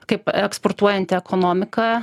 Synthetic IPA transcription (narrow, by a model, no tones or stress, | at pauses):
kɐɪpɛksport̪uɔjɛnʲt̪ʲɪɛkonoːmʲɪkɑ